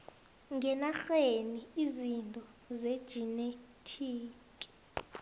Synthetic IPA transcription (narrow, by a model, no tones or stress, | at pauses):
ŋɛnaxeniizintʼɔ | zed̥ʒ̥ʱinetʰiː | kʼi̥